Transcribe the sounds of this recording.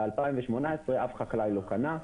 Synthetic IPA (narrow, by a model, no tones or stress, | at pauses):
alpajĩmveʃmo̞naesʁeafχaklajlo̞kana